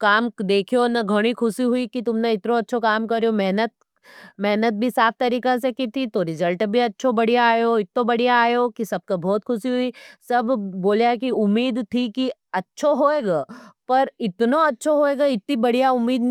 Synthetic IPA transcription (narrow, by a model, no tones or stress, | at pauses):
kaːmd̪eːkʰijonɐɡʱɐɽ̃ixʰʊsiɦuikit̪ʊmneɪt̪nõɐtːʃʰokaːmkɐɾjomɛɦnət̪̚ | mɛɦnət̪̚bʱisaːp̚ʰt̪ɐɾiːkasekit̪ʰit̪oɾɪzəlʈbʱiɐtːʃʰobɐɽ̤ijaːjoɪt̪nõbɐɽijaaːjoːkisɐb̚kabʱɔːt̪kʰʊsiɦuisɐbʱboːljakiʊmːiːd̪t̪ʰiki | ɐtːʃʰoɦoːeːɡaːpɐɾɪt̪noɐtːʃʰoɦoːeːɡaɪt̪̚nibɐɽ̤ijaʊmːiːd̪n